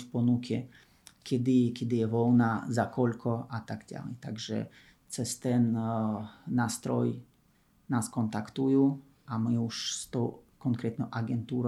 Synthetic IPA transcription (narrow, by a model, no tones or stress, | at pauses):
fpɔnukʰɛ | kʲʰɛd̪ɪkʲɛd̪ɪjɛvɔwnazakɔlkʰɔat̪aɡɟa̰lɛ̰jt̪aɡʒɛ̰ | t͡sɛst̪ɛnː | aːst̪ɾɔj | naskɔnt̪akt̪uju | amɪuʂst̪ɔwkɔŋkɾɛt̪nɔʔaɡɛnt̪uːɾ